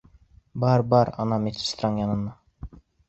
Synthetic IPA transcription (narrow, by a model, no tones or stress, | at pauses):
bɑɾbɑɾɑ̰nɑmet̪ɪ̥st̪ɾɑŋjɑnɤ̆nːɑ